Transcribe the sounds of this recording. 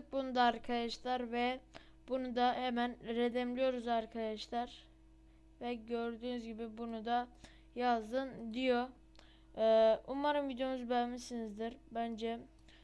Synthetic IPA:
k̚bunud̪aːɾkʰad̪aʃlˠaɾvɛ | bunud̪ahemænɾed̪ɛmlʲijo̞ɾuzaɾkʰad̪aʃlˠaɾ | vɛɟøɾd̪yːnyzɟibibunud̪a | jazd̪ɯnd̪ijo̞ | umaɾɯmvid̪jo̞nuzbɛlmisinizd̪iɾbænd͡ʒɛ

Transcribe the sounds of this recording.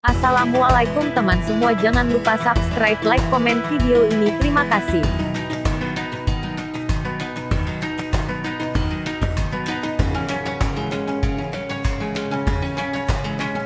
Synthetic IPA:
ʔasalamualaikʊŋt̪əmansəmuad͡ʒaŋanlupasap̚skɾajflajkːɔmɛnfideoinit̪əɾimakasɪh

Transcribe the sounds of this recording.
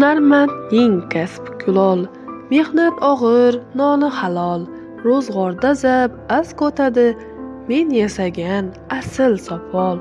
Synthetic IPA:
naɾmant̪nɪŋkʲʰaspkʰʊlˠɒlˠ | me̞hnat̪ʰɒʁɨɾnɒnɪhalˠɒlˠ | ɾozʁɒɾd̪azapaskot̪ʰad̪ɪ | me̞njasaɡʲan | asɪlsɒpʰɒlˠ

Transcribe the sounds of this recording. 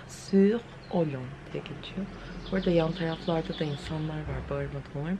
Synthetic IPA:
syːʁ | olʲɔnd̪ijɛɟʲet͡ʃʰijo | b̥oɾad̪ajant̪ʰaɾaflˠaɾd̪ad̪ainsanlˠaɾvaɾbuaɾɯmad̪ɯmolˠaɾ

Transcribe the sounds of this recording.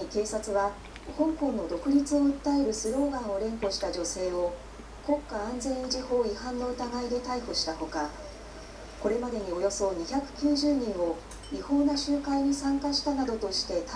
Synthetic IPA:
ike̞ːsat͡sɨβa | hõ̞ŋkõ̞nːo̞d̪o̞kɯ̟ɾʲit͡sɨo̞ɯ̟t̪ːae̞ɾɯ̟sɨɾo̞ːɡãɰ̃o̞ɾẽ̞ŋko̞ɕi̥t̪aʑo̞se̞ːo̞ | ko̞kːaãnzẽ̞ɰ̃id͡ʑiho̞ːihãnːo̞ɯ̟t̪aɡaid̪e̞t̪aiɸɯ̟ɕi̥t̪aho̞ka | ko̞ɾe̞mad̪e̞ɲ̟io̞jo̞so̞ɲ̟içakɯ̟̥kʲɨːʑɨːɲ̟ĩɰ̃o̞ | iho̞ːnaɕɨːkaiɲ̟isãŋkaɕi̥t̪anad̪o̞t̪o̞ɕi̥t̪e̞t̪

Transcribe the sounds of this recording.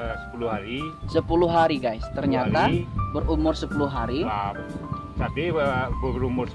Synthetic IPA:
sə̥puluhɦaɾisəpulʊɦaɾiɡajst̪ərɲat̪abərumʊrsəpulʊɦaɾiam | sad̪ibəɾumʊrs

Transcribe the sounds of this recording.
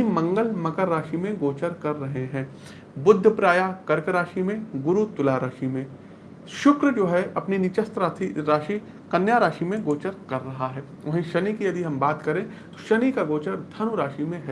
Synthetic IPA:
imɐ̃ŋɡəlmɐkəɾːaːʃimẽɡoːt͡ʃəɾkɐɾːɐɦeɦɛ̃ː | bʊd̪ʱːəpɾaːjakɐɾkəɾaːʃimẽɡʊɾut̪ʊlaɾaːʃimẽ | ʃʊkɾəd͡ʒoːɦɛɐpninɪt͡ʃəst̪ɾaːt̪ʰiɾaːʃi | kɐnjaɾaːʃimẽɡoːt͡ʃəɾkɐɾːɐɦaɦɛː | ʋɐɦẽʃɐnikijɐd̪iɦɐ̃mbaːt̪kɐɾẽ | t̪o̥ʃɐnikaɡoːt͡ʃəɾd̪ʰʱɐnuɾaːʃimẽɦɛ

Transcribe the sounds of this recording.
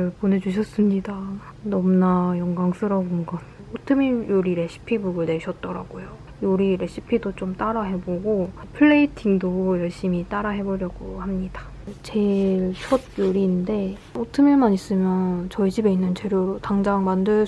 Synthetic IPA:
ɯɭpone̞d͡ʑuɕ̬ʰʌs͈ɯmɲida | nʌmnajʌŋɡaŋsʰɯɾaɡoŋɡaotʰɯmijoɾiɾe̞ɕ͈ʰi̥pʰibuɡɯɭne̞ɕʰʌt̚t͈ʌɾaɡ̥ojo | joɾiɾe̞ɕ͈ʰipʰidot͡ɕomt͈aɾaɦe̞boɡopʰɯɭːeitʰiŋdojʌɭɕ͈imit͈aɾaɦe̞boɾjʌɡohamɲid̥ḁ | t͡ɕe̞ɭt͡ɕʰʌd̚joɾinnde̞ | otʰɯmjiɭmaɲis͈ɯmjʌnt͡ɕʌid͡ʑibe̞inːɯnt͡ɕe̞ɾjoɾotaŋd͡ʑaŋmandɯɭ

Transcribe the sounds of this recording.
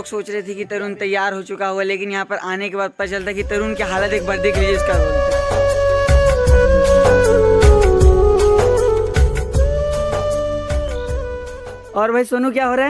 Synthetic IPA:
ksoːt͡ʃɾɐɦit̪ʰikit̪ɐɾuːnt̪ɐjːaːɾɦot͡ʃʊkaɦualeːkɪnjɐɦãpɐɾʔaːnekebaːd̪̚pɐt͡ʃɐlt̪ʰakit̪ɐɾuːnkeɦaːlət̪eːk̚bɐɾd̪ɪkliɪskaɦoː | ɔːɾbʱaisoːnũkjaːɦoːɾaɛ

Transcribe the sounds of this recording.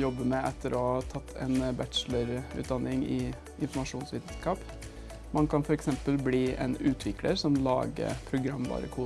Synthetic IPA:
jɔbːəmɛʔɛt̪ʰːəɾɔhɑt̪ʰɑt̪ʰːɛ̰ɪnbæt̪ʂləɾʉ̰t̪̚d̪ɑnːɪŋɪ | ʔɪnfɔmɑʂuːnsʋiːd̪n̩skɑːp | mɑnkʰɑnfɔɾɛksɛmpəlbliːʔɛ̰nʉːt̪ʰʋɪkləɾsɔmlɑ̰ːɡə̰pʰɾʊɡɾɑmːbɑ̰ːɾə̰kʰuː

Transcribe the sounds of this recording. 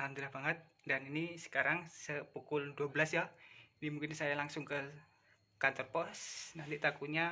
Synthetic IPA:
and̪əɾahbaŋət̪̚ | daninisə̥kaɾaŋsəpukʊlduabəlasjainimuŋkɪnsajalaŋsʊŋkə | kant̪ərpɔsnant̪it̪akuɲa

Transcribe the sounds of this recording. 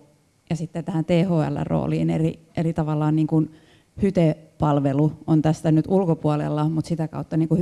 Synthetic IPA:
jɑsit̪ːet̪æhænt̪eːhoːæ̰lːæ̰ro̰ːlḭːneriʔerit̪ɑʋɑlːɑːnniːŋkun | hyt̪epɑlʋeluont̪æst̪ænyt̪ulkopuolḛlːɑmut̪sit̪ækɑ̰ut̪ːɑniːŋkuh

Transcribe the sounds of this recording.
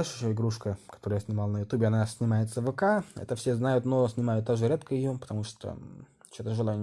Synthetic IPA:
lʲʂɪɕoɪɡɾuʂkəkɐt̪oɾəjasʲnʲɪmɑlˠnəjʊt̪ubʲɪɐnasʲnʲɪmajɪt̪səvɨkaɛ̰t̪əfsʲeznajʊt̪nosʲnʲɪmajʊt̪ːaʐɨɾʲet̪kəɪjopə̥t̪ɐmuʂt̪o̰ | t͡ɕot̪əʐɨlˠajʲ

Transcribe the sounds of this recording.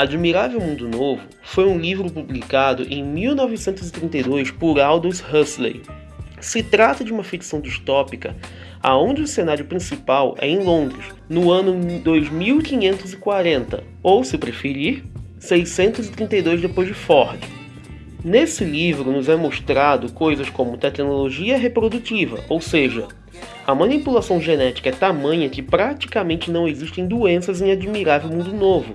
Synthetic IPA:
ad͡ʒmiɾavewmũnd̪ʊnovʊ | fojũlivɾʊpublikad̪ʊ̰ʔẽj̃miwnɔvɪsẽnt̪ʊzɪt̪ɾĩnt̪ejd̪ojspʊɾawd̪oshɐslḛj | sɪt̪ɾat̪ɐd͡ʒɪũmɐfiksɐ̃w̃d͡ʒiʃt̪ɔpikɐ̰ | a̰õd͡ʒɪʊsenaɾjʊpɾĩsipawɛ̰ẽj̃lõnd̪ɾɪs | nʊɐ̃nʊd̪ojzmiwkĩɲẽnt̪ʊzɪkwaɾẽnt̪ɐ̰ | owsɪpɾefeɾiɾ | sejsẽnt̪ʊzɪt̪ɾĩnt̪ɐjd̪ojzd̪epojʒd͡ʒɪfɔɾd͡ʒɪ | nesɪlivɾʊnʊzɛmoʃt̪ɾad̪ʊkojzɐskõmʊt̪ɛknoloʒiɐɦepɾod̪ut͡ʃivɐ̰owseʒɐ | ɐmɐ̃nipulasɐ̃w̃ʒenɛt͡ʃi̥kɐɛt̪amɐ̃ɲɐkɪpɾat͡ʃi̥kɐmẽnt͡ʃɪnɐ̃w̃eziʃt̪ẽj̃d̪uẽsɐzẽj̃ad͡ʒimiɾavewmũnd̪ʊnovʊ

